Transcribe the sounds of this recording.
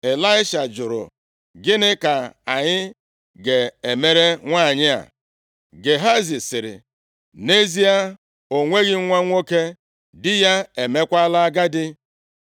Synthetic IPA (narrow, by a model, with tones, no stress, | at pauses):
e˨la˦ɪ˦ʃa˨d͡ʒʊ˨ɾʊ̰˨ | ɡɪ˦nɪ˦ka˨a˨ɲɪ˦ | ɡe˨e˨me˦ɾe˦ŋʷa˦˨ɲɪ˦a̰˨ | ɡe˨ɦa˦zi˨sɪ˨ɾɪ̰˨ | ne˦zi˦a˦ | o˨ŋʷe˦ɣɪ˦ŋʷa˦ŋʷo˦ke˦ | dɪ˦ja˦e˨me˦kʷa˦la˦a˦ɡa˦dɪ˦